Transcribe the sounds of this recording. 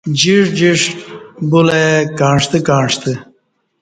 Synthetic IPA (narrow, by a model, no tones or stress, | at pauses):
d͡ʑiʂd͡ʑiʂbulekaːɳʂt̪əkãːɳʂt̪ə